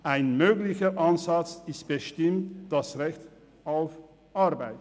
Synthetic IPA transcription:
ʔaɪnmøːɡlɪçəʔanzat͡sɪstb̥əʃtɪmtd̥asʁɛçt | ʔaʊf | ʔaʁbaɪt

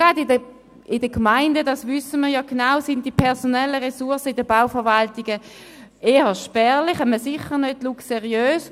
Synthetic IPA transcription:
ɡ̥ʁɑdɪdə | ɪdəkmaɪndədɑsvʏsəməʁjɔɡ̥enaʊsɪntd̥ipʰɛʁsonɛləʁesuɐsəɪdəbaʊfəʁvaltɪɡ̥ə | eːəʃpɛːʁlɪχɛməsɪχənødlukseʁiøːs

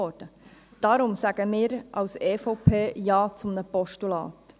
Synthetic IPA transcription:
ɔd̥əd̥ɑɾʊmsæɡ̥əmɪːɾʔɑwsɛːfɔʊpʰeːjɑːt͡sʊmnəpɔʃtulɑ̰ːt̪

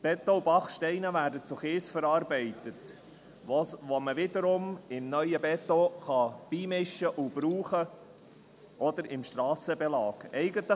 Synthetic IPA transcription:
b̥ɛt̪ːoubɑχʃtɛɪnəvæːɾdət͡sʊχeːsfəɾɑːɾbɛɪt̪ət̪ | ʋoʋoməvɪd̪əɾʊmɪmnœʏəbɛt̪ːoχɑb̥iːmɪʃəʔʊb̥ɾuːχə | ʔɔd̪əɾɪmʃtɾɑːsəbɛlɑːɡ̥ɛɪɡət̪lə

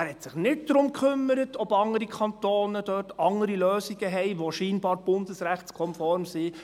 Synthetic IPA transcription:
æɾhɛt̪sɪχnɪt̚d̪̥ɾʊmkʰχʏmːəɾətɔbɑŋəɾikʰɑntoːnəd̥œtʰɑŋəɾiløːsiɡəɦɛɪʋoʃiːnbɑːɾb̥ʊnd̪əsɾæχtskʰɔnfɔɾmsi

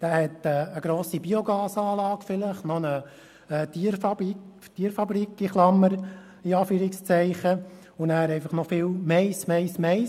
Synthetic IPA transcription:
d̥æːhɛt̪ɛəɡɾoːsibioɡɑːsɑːlɑːɡ̥fɪləχnɔnə | t̪iəɾfɑbik | t̪iːəɾfɑbɾikiχlɑmːəɾ | iɑːfyːɾɪkst͡sɛɪχə | ʊnæːɾɛɪfɑχnɔfɪːlmɛɪsmɛɪsmɛ

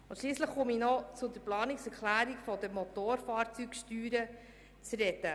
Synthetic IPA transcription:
ʊnʃliːsləχχʊminɔt͡sʊd̪əɾplɑːnɪksɛɾklæːɾikfɔd̪əmɔt̪oːɾfɑːɾt͡sykʃtyːɾə | t͡sɾɛtə

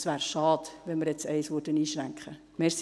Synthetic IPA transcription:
sʋæːɾʃɑːd̥ʋɛnməɾjɛt͡sɛɪsʋʊɾdəniːʃɾæŋkχə | mɛs

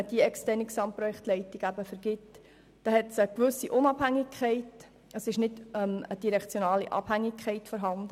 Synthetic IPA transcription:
d̥iɛkstɛɾnɪksɑmpɾɔjɛktlɛɪtɪɡ̥æbəfəɾɡ̥ɪt | d̥ɑhɛtsəkʋʏsiʔʊnɑb̥hæŋɪkʰχɛɪt | əsɪʃnɪdɛməd̥iɾɛkt͡sjonɑːlḭʔɑ̰b̥hæŋːɪkχɛɪtfɔɾɦɑnd̥̪ə

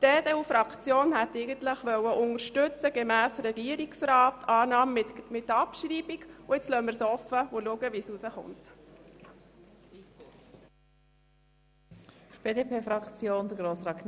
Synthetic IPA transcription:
d̥eːdɛufɾɑkt͡sjoːnhætːɛɪɡənt̪ləχʋœwəʔʊnəɾʃtʉt͡səɡ̥emæːsɾɛɡiəɾiksrɑːtɑːnɑːmmɪtːɑpʃriːbiɡʊɪt͡slœːmːəɾsɔfəʊluəɡəʋisusəχʊ̰nt | b̥eːdepʰeːfɾɑkt͡sjoːnd̥̪əɡɾoːsɾɑːkn

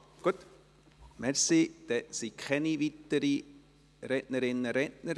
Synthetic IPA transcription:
ɡ̥uət̪ | mɛɾsid̪̥ɛsikχɛniʋit̪ːəɾi | ɾɛʔnəɾɪnːəɾɛtnəɾ

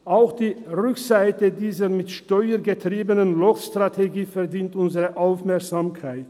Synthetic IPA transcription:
ʔaʊxd̥iːʁʏkz̥aɪtədiːzəmɪtʃtɔʏəɡətʁ̥iːbənənlɔkstʁ̥atʰeɡiːfɛɐdiːntʔʊnzəʁəʔaʊfmɛɐkz̥aːmkʰaɪt

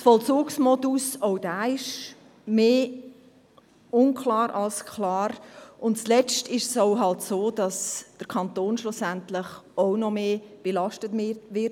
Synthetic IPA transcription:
sfɔlt͡suːksmɔdusoʊd̥æːɪʃ | meː | ʊnkʰlɑːɾɑlskʰlɑːɾʊntst͡slɛt͡stɪʃsoʊɦɑltsoːd̥ɑsd̥əɾkʰɑntoːnʃlusæntlɪχoʊnɔmeːb̥elɑʃtətvɪ

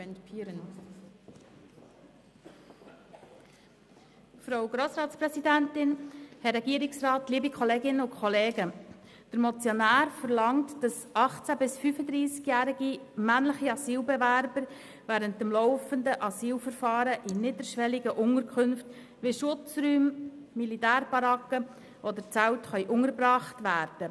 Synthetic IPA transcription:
ɛnpʰiːɾən | fɾoʊɡɾoːsɾɑːtspɾɛsidæntɪnhɛɾːɛɡ̥iəɾɪksɾɑːtliːbikʰχɔleːɡɪnəʊkʰχɔleːɡə | d̥əɾmɔt͡sjɔnæːɾfəɾlɑŋtd̥ɑsʔɑχt͡sæbɪsfyfəd̪ɾiːsɡjæːɾiɡimænləχiɑsiːlbɛʋæɾbəɾ | ʋæːɾəntəmlɔʊfəndəʔɑsiːlfəɾfɑːɾəʔɪnɪd̪əɾʃʋɛliɡəʔʊŋəɾkʰχʏnft | ʋeɪʃʊt͡sɾyːmː | ilitæːɾb̥ɑɾɑkə | ʔɔd̪əɾt͡sæwtχœʏʔʊŋəɾbɾɑːχtʋæːɾd̥ə

